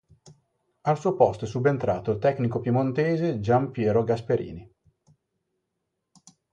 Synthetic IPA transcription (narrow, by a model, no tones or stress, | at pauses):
alsuːopɔst̪oɛsubent̪ɾaːt̪oilt̪ɛknikopjimont̪eːzed͡ʒampjɛːɾoɡaspeɾḭːni